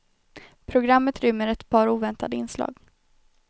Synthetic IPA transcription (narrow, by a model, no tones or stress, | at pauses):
pʰɾʊɡɾamːət̪ɾʏmːəɾɛt̪pʰɑːɾuːvɛnt̪ad̪əɪnslɑ̰ːɡ